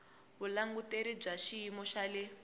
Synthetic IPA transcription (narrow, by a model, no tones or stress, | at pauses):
βulaŋɡuteɾib͡ʐaʃiimɔʃale